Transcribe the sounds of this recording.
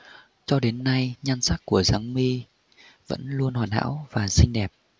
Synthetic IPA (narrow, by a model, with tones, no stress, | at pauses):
t͡ɕɔ˧ɗe˨˦nːa˧jɲa˧ŋsa˦˥k̚ku˧˩əzaː˨˦ŋmi˧ | və̰˧˥nlu˧ənhwaː˨˩nɦa̰ː˧˥wvaː˨˩sï˧ŋ̟ɗɛ˨˩p̚